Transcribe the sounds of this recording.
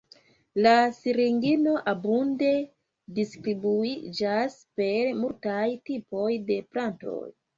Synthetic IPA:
lasiɾiŋɡino̞ʔabunde̞ | distɾibuid͡ʒaspe̞ɾmultajtipo̞jde̞planto̰j

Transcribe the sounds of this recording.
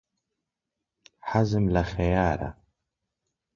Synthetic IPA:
ħazɨmlaxajaːɾa̰

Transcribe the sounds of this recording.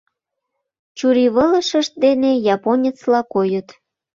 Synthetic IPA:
t͡ɕuɾiβələʃəʃt̪̚d̪enejɑponʲet͡slɑkojət̪

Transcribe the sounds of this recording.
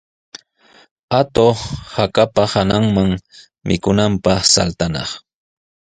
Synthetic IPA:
at̪ohakapahanaŋmaŋ | mʔɪ̰kʊnampɑχsa̰lt̪anɑ̰χ

